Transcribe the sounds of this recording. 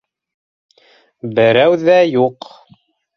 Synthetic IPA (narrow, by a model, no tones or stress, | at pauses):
bɘ̆ɾæwðæjuq